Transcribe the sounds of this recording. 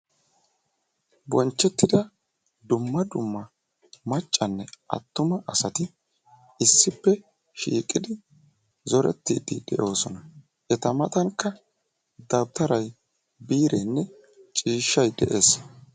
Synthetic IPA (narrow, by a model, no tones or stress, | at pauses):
bɔnt͡ʃːɛt̪ːɪd̪ɐ | d̪ʊmːɐd̪ʊmːɐ | mɐt͡ʃʼːɐnːɛʔɐ̰t̪ːʊmɐʔɐsɐt̪ɪ | ɪsːɪpːɛ | ʃḭːkʼɪd̪ɪ | zɔɾɛ̰t̪ːiːd̪ɪd̪̥ɛ̰ʔo̞ːsɔnɐ | ʔɛt̪ɐmɐt̪ʼɐŋkːɐ | d̪ɐwt̪ɐɾɐj | biːɾenːɛ | t͡ʃʼiːʃːɐjd̪ɛ̰ʔe̞ːs